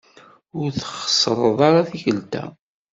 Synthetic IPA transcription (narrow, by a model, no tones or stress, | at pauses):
ʊɾθχə̥sˤɾˤəðˤɑɾˤɑθiçəlt̪æ̰